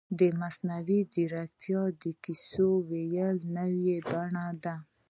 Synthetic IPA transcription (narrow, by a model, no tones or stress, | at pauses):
d̪əmasnawid͡ʒiɾak̚t̪ʰjɑd̪əkisowejəlnəwjebaɳad̪a